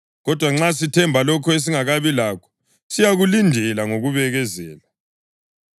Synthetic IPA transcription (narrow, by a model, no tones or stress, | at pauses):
ɣɔd̥ʱwaŋ͡ǁas̬itʰɛmbʱalɔkʰɔes̬iŋaɣaβilakʰɔ̥ | sijaɣulindʱɛlaŋoɣuβɛɣɛzɛːla